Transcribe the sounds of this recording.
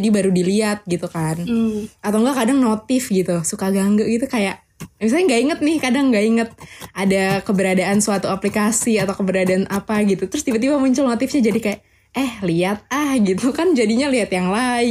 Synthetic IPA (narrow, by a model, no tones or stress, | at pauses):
dibaɾudiliat̪̚ɡit̪ukanat̪awŋɡaʔkadaŋnot̪ɪfɡit̪usukaɡaŋɡaʔɡit̪ukajaʔ | mis̬alɲaŋɡaiŋət̪̚nɪhkadaŋɡaiŋət̪̚ʔadakəbəɾadaʔansuat̪uaplikasiat̪awkəbəɾadaːnapaɡit̪ut̪əɾʊst̪ibat̪ibamuɲt͡ʃʊlnot̪ɪfɲad͡ʒadikajaʔ | ɛhliat̪̚ahɡit̪ukand͡ʒadiɲaliat̪jaŋlaɪ